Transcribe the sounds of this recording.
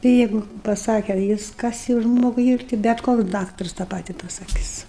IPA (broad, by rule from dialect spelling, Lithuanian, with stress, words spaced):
tʲɪ ˈjɛɪɡʊ pɐˈsɑːkʲɛ ˈjɪs ˈkɐs jɛʊ ˈʒmoːɡʊɪ ˈiːr tʲɪ bʲɛt ˈkoːks ˈdɑːktɐrs tɑː ˈpɑːtʲɪ pɐsɐˈkʲɪs